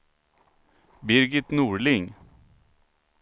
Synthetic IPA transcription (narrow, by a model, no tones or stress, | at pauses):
bɪɾɡɪt̪nuːɹlɪŋ